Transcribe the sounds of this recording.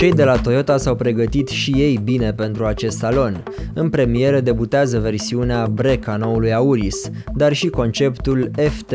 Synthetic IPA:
t͡ʃe̞jd̪e̞lat̪o̞jo̞t̪asawpɾe̞ɡət̪it̪ʃije̞jbine̞pe̞nt̪ɾuat͡ʃe̞st̪salo̞n | ɨnpɾe̞mije̞ɾəd̪e̞but̪eazəve̞rsiuneabɾe̞kano̞ulujauɾis | d̪arʃiko̞nt͡ʃe̞pt̪ule̞ft̪

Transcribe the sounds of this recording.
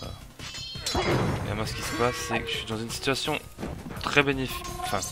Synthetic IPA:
a̰ | ḛɛ̰masə̥kʲisə̥pasːɛkʒə̥ʃɥid̪ɑ̃zynsi̥t̪ɥasjɔ̃ | t̪χɛbenefiɑ̃fɛ̃

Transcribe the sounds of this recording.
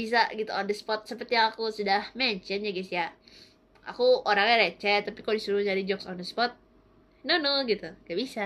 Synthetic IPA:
bis̬aʔɡit̪uɔndəspɔt̪̚səpərt̪ijaŋakusudahmɛɲt͡ʃənɲaɡɛsia | a̰kuoɾaŋaɾet͡ʃɛt̪apikalodisuɾud͡ʒadid͡ʒɔksɔndəspɔt̪̚ | nonoɡit̪uɡaʔbisa

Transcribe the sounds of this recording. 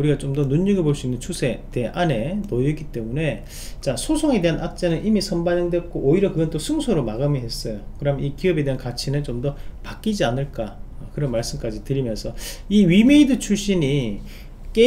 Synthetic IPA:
uɾiɡat͡ɕomdʌnuɲːiɡeɭboɭs͈uinːɯnt͡ɕʰusʰe̞te̞ʔane̞nojʌk͈it͈e̞mune̞ | t͡ɕasʰosʰoŋe̞de̞ɦanʔak̚t͡ɕ͈enɯnʔimisʰʌmbaɲʌŋdwet̚k͈oʔːiɾʌkɯɡʌnt͈osʰɯŋsʰoɾomaɡɯmiɦe̞s͈ʌjokɯɾʌamnikiʌbe̞de̞ɦankat͡ɕʰinɯnt͡ɕomdʌpak͈id͡ʑianɯɭk͈akɯɾʌnmaɭs͈ɯmk͈ad͡ʑitɯɾimjʌnsʰʌiɥime̞idɯt͡ɕʰuɭɕ͈iɲi | k͈e

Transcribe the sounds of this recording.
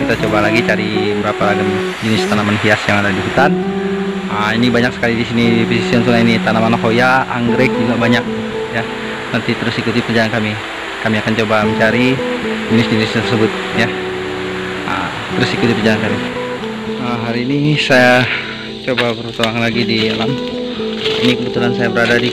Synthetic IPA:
kit̪at͡ʃobalaɡit͡ʃaɾibəɾapaaɡam | d͡ʒənɪst̪anamanɦiasjaŋadadisit̪an | əinibaɲak̚sə̥kalidisinipisisiansunainit̪anamanakojaa̰ŋɡɾɛk̚d͡ʒuɡabaɲak̚ | ja | nant̪it̪əɾʊsikut̪ipərd͡ʒalankami | kamiakant͡ʃobaməɲt͡ʃaɾiminɪsminist̪ərsəbʊt̪̚ | ja | ə̰ | t̪əɾʊsikut̪ipərd͡ʒalankami | əmɦaɾiːnisaja | t͡ʃobabəɾut̪amaalaɡidilam | inikəbət̪ulansajabəɾadadi

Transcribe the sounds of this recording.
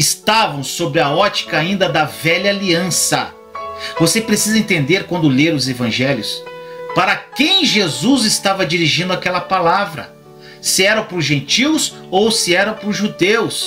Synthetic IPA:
ɪst̪avɐ̃w̃sobɾɪɐɔt͡ʃi̥kɐaĩnd̪ɐd̪ɐvɛʎɐaliɐ̃sɐ̰ | vosepɾesizɐẽnt̪ẽnd̪eɾkwɐ̃nd̪ʊleɾʊzevɐ̃ʒɛljʊspaɾɐkẽj̃ʒezuzɪst̪avɐd͡ʒiɾiʒĩnd̪ʊakɛlɐpalavɾɐ̰ | sɪɛɾɐ̃pɾʊzʒẽnt͡ʃiws | owsɪɛɾɐ̃pɾʊʒud̪ews

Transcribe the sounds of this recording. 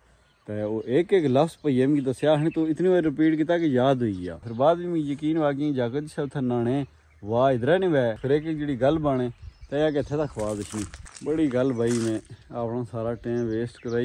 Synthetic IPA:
t̪eːoːʔeːkeːkləfʰspəiːeːmkɪt̪aːsjaːɦñːt̪õːɪt̪niːbaːiɾɪpiːɖkɪt̪̬aːkejaːd̪ɦoiːɡɪja̰ːpʰɪɾbaːd̪iːmĩjəkiːnʋaːk̬ĩd͡ʒaːkəd̪ɪt͡ʃʰaːʊt̪ʰːeːnaːɽeː | ʋaːɪd̪ɾɛːnĩːʋɛːpʰɪɾeːk̬ek̚d͡ʒeːɽiːɡəlbaːɽ̃eːt̪ɛːjaːkeət̪ʰːɛːt̪aːkʰʋaːd̪əʃʰniːbəɽiːɡəlbaːiːmẽːaːpɳãːsaːɾaːʈẽːmʋeːsʈkəɾaːi

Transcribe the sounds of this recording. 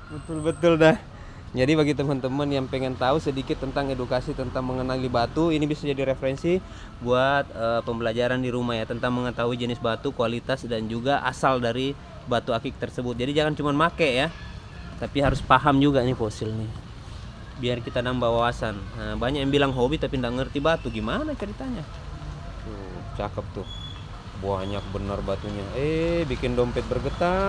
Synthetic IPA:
bət̪ʊlbət̪ʊldah | d͡ʒadibaɡit̪əmant̪əmənjaŋpəŋɛnt̪ausədikɪt̪ːənt̪aŋedukasit̪ənt̪aŋməŋənalibat̪uinibisad͡ʒadiɾefəɾɛnsi | buat̪̚əpəmbəlad͡ʒaɾandiɾumahjat̪ənt̪aŋməŋət̪aɦuid͡ʒənɪsbat̪ukualit̪asdand͡ʒuɡaʔa̰saldaɾi | bat̪uakɪk̚t̪ərsəbʊt̪̚d͡ʒadid͡ʒaŋant͡ʃumanmakɛja | t̪apiɦaɾʊspaɦamd͡ʒuɡanɪfosɪlnɪh | biarkit̪anambawawasanəbaɲakjaŋbilaŋɦobit̪apindaʔŋərt̪ibat̪uɡimanat͡ʃəɾit̪aɲa | t̪u | t͡ʃakəp̚t̪ʊh | baɲak̚bənərbat̪uɲaebikɪndɔmpɛt̪̚bərɡət̪a

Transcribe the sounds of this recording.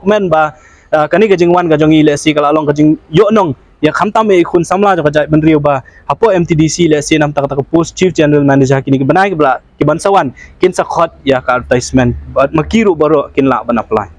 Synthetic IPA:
kmɛnba | kanikad͡ʒiŋwanɡad͡ʒɔŋilɛsikalalɔŋkad͡ʒiŋjɔʔnɔŋ | jakʰamtamekʰunsamlad͡ʒɔŋkad͡ʒat̚bənɾiewbahapɔɛmtidisilɛsinamtaktakapos̚t͡ʃifd͡ʒɛnəɾalmɛned͡ʒakinikibənajkiblaʔkibansawankinsakʰɔt̚jakatajsmɛnməkiɾubəɾɔʔkinla̰ʔbənapla̰j

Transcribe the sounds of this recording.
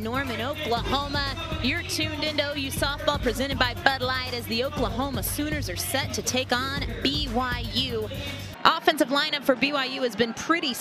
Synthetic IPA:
nɔɹmɨ̃ñoʊklˠəɦõʊ̃mə | jə˞tʰʉ̃ndɪ̃ntuoʊjʉsɔθb̥ɔlˠpʰɹ̥izɛ̃ɾ̃ɨd̚baɪbʌdˡlaɪɾɨzðioʊplˠəɦõʊ̃məsʉ̃ñə˞zə˞sɛtʰɨtʰeɪkn̩biwaɪjʉ | ʔɔfɛ̃nsʌvlãɪ̃ñʌpfə˞biwaɪjʉɨzbɨ̃npʰɹ̥ɪɾi

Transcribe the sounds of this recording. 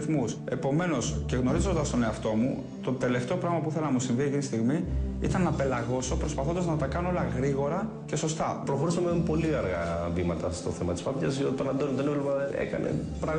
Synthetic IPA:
θmuse̞po̞me̞no̞sce̞ɣno̞ɾizo̞nd̪ɐst̪o̞ne̞ɐft̪o̞mu | t̪o̞t̪e̞le̞xt̪opɾɐɣmɐp̬uθelɐnɐmusiɱviecinist̪iɣmiit̪ɐnːɐpe̞lɐɣo̞so̞pɾo̞spɐθod̪ɐznɐt̪ɐkɐnoolɐɣɾiɣo̞ɾɐ | ce̞so̞st̪ɐpɾoxo̞ɾisɐmepo̞liɐɾɣɐvimɐt̪ɐst̪o̞̰θe̞mɐt̪ispɐpjɐzjot̪it̪onɐnd̪onid̪onevlemɐe̞̰kɐ̰ne̞̰ | pɾɐɣ

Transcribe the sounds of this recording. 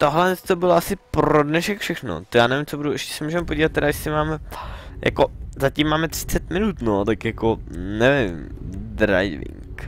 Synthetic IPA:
t̪oɦlɛnst̪obɪloasɪpɾodnɛʃɛkfʃɛxno̰t̪jaːnɛvɪmt͡sʰobuduɛʃcɛ̥sɛmuːʒɛmɛpoɟiːvat̪̚ːɛɾaɪʃsɪmaːmɛjʔa̰kozacimːaːmɛt̪r̝̥ɪ̥t͡sɛt̪mɪnut̪not̪akjakonɛvɪmd̪ɾa̰jvɪ̰ŋk

